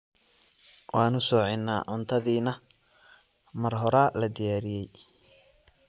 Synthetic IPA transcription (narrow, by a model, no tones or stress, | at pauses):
wɑːnʊsɔːʕɪnːa̰ːʕʊnt̪ʰɐðiːnɐ | mɐrɦɔɾaːlɐd̪ɪjaːɾɪjɛj